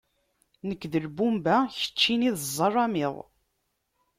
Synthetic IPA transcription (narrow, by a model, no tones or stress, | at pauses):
nəkːðəlbumbæçə̥t͡ʃːiniðzˤːɑrˤːɑmiðˤ